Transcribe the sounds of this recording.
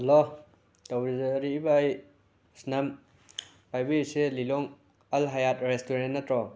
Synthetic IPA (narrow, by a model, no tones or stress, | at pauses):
lɔ | tawɾizɐɾiːbaːj | snam | pajbijiselilɔŋ | ɐlɦajat̚ɾestuɾennːɐtɾɔ